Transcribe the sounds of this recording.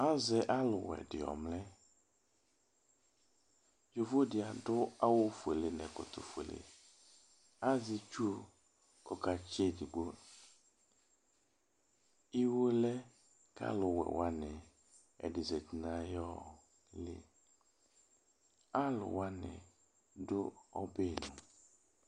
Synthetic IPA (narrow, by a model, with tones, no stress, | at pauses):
a˦zɛ˨ʔa˦lʊ˨wɛ̰˨ɖɪ̰˨ɔ̰˨mlɛ˦ | jo˨vo˦dɪ˨a˨ɖʊ˦a˦wo˦fe˨le˨nɛ̃˨kʊ̰˨t̪o̰˨fe˨lḛ˨ | a˦zi˦t͡ʃu˦˨ | kɔ˨ka˨t͡ʃe˦di˨ɡ͡bo˦ | i˦wo˦lɛ˦ | kʰa̰˦lʊ˨wɛ̰˨wa˦nɪ̃˨ | ɛ̰˨dɪ˨zɛ˨ti˨nã˨jɔ˦ | lɪ̰˦ | a˦lʊ̰˨wa˦nɪ̰̃˨ | dʊ˦ɔ̰˦be˦˨nʊ̃˨